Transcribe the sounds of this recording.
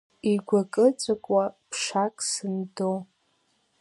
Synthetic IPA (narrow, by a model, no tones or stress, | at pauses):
iɡʷakʼɨt͡sʷʼakʷʼwapʰʂakʼsɨndow